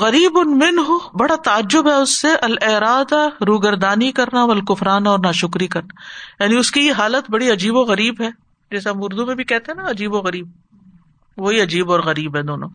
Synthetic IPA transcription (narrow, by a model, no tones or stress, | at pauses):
ɣɐɾiːbʊnmɪnɦʊbɐɽat̪aːd͡ʒːʊbɦɛʊsːeʔɐlɪɾaːd̪aɾuːɡɐɾd̪aːnikɐɾnaɐlkʊfɾaːnaɔːɾnaːʃʊkɾikɐɾnajaːniʊskieɦaːlət̪bɐɽiɐd͡ʒiːboɣɐɾiːbɦɛː | d͡ʒɛːseɦɐmʊɾd̪umẽbʱikɛɦt̪ẽɦɛnaɐd͡ʒiːboɣɐɾiːb̚ | ʋoɦiɐd͡ʒiːbɔːɾɣɐɾiːbɦɛd̪oːnõ̰ː